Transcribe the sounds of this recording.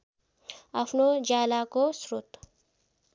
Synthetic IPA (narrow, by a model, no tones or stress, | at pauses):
ɐpʰnod͡ʒaːlakosɾʊt̪